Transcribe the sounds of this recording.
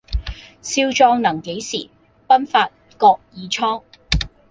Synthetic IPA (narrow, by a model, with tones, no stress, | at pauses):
siː˧˥wt͡ʃɔː˧ŋnɐ˨˩ŋke˨˥jsiː˨˩ | pɐ˥nfaː˧t̚ | kɔː˧k̚jiː˨˧t͡ʃʰɔː˥ŋ